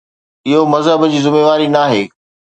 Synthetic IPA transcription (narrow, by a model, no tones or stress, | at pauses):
ɪɦomɐzɦəbd͡ʑiːzɪmeːʋaːɾinaːɦeː